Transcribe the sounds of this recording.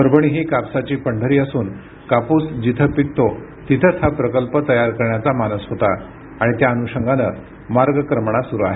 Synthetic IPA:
əɾbəɳ̃iːɦiːkapsat͡ɕiːpəɳɖʱəɾiːəsuːn | kapuːsd͡ʑit̪ʰəpik̚t̪o | t̪it̪ʰət͡shapɾəkəlpət̪əjaɾkəɾɳjat͡samanəsɦot̪a | aɽ̃it̪jaənuɕəŋɡanə | maɾɡəkɾəmɳ̃asuɾuaɦe

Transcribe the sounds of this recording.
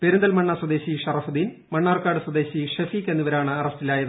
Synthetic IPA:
peɾund̪ɐlmɐɳːaswɐd̪eːɕiʂɐrɐfud̪iːn | mɐɳːaːrkːaːɽɨswɐd̪e̞ːɕiʂɐfiːkːe̞nːuʋɐɾaːɳɨɐrɐstilaːjɐðɨ

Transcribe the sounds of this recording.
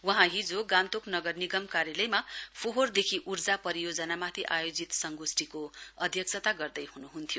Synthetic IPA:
wʌɦãɦid͡zoɡãnt̪oknʌɡʌrniɡʌmkaɾjʌlʌjmapʰoɦord̪ekʰiʔurd͡zapʌɾijod͡zʌnamat̪ʰiʔajod͡zit̪sʌŋɡusʈikoʌd̪ʱjʌk̚sʰʌt̪aɡʌrd̪ʌjhunuɦunt̪ʰijo

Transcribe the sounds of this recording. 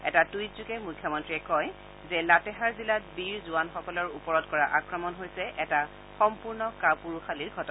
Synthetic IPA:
ɛ̰tatujtzukɛmukʰːjɔmɔntɹiɛkɔj | zɛlatɛɦaɹzilatbiɹzuanxɔkɔlɔɹupɔɹɔtkɔɹaʔakɹɔmɔnɦojsɛʔɛta | xɔmpuɹnɔkapuɹuxaliɹɡʱɔtɔ

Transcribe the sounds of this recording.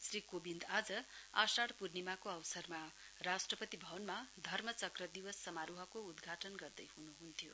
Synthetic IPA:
srikobind̪ad͡zʌasaɽpurnimakoʌwsʌrma | rasʈrʌpʌt̪ibʱʌwʌnmad̪ʱʌrmʌt͡sʌkrʌd̪iwʌsːʌmaɾuɦʌkoud̪ɡʱaʈʌnɡʌrd̪ʌjɦunuɦunt̪ʰijo

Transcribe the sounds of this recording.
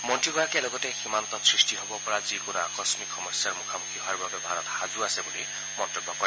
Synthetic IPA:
mɔntɹiɡɔɹakɛlɔɡɔtɛximant̪ɔtsɹistiɦɔbɔpɔɹazikonua̰kɔsmikxɔmɔsjaɹmukʰamukʰiɦɔaɹbabɛbʱaɹɔtxazuasɛbuli | mɔntebːɔkɔɹi

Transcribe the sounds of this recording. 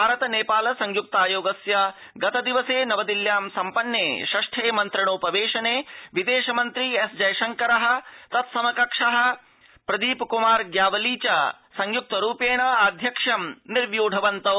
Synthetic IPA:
bʱaːɾɐt̪ɐneːpaːlɐsɐŋjuk̚t̪aːjoːɡɐsjɐ | ɡɐt̪ɐd̪iʋɐseːnɐʋɐd̪iljaːmsɐmpɐnːeːʃɐʂʈʰeːmɐnt̪ɾɐɳ̃oːpɐʋeːʃɐneːʋid̪eːʃɐmɐnt̪ɾiesd͡ʒɐjʃɐŋkɐɾɐɦɐ̆t̪ɐt̪sɐmɐkɐkʂɐɦɐ̆ | pɾɐd̪iːpkumaːɾɡjaːʋɐliːt͡ʃɐ | sɐŋjuk̚t̪ɐɾuːpeːɳ̃ɐaːd̪ʱjɐkʂɐmniɾʋjoːɖʱɐʋɐnt̪ɐ

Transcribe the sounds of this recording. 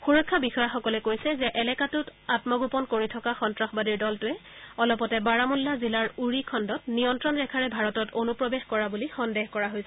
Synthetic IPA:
xuɹɔkʰːabixɔjaxɔkɔlɛkojsɛzɛʔɛlɛkatʊtatmɔɡupɔnkoɹitʰɔkaxɔntɹaxbadiɹdɔltʊɛɔlɔpɔtɛbaɹamulːazilaɹuɹikʰɔndɔtniɔntɹɔnɹɛkʰaɹɛbʱaɹɔtɔtonupɹɔbexkɔɹabulixɔndeɦkɔɹaɦojsɛ

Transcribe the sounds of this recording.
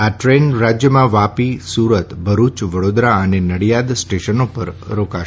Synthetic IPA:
aʈɾenɾad͡ʒjəmãʋapisuɾət̪bʱəɾut͡ʃʋəɽod̪ɾaənenəɽijad̪sʈeʃənopə̰ɾɾokaʃ

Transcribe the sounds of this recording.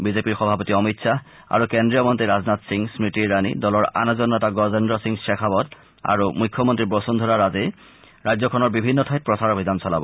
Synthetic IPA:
bizepiɹxɔbʱapɔt̪iɔmit̪sʰa | a̰ɹukendɹijɔmɔnt̪ɹiɾaznat̪siŋsmitiːanḭdɔlɔɹa̰nazɔnːɔtaɡɔzendɾɔsiŋsekʰabɔd̪ | a̰ɹumujkʰːɔmɔnt̪ɹibosund̪ʱɔɹaɾaze | ɹajzɔkʰɔnɔɹbibʱinːɔtʰɔjt̚pɹɔsaɹobʱid̪ansɔla̰bɔ̰

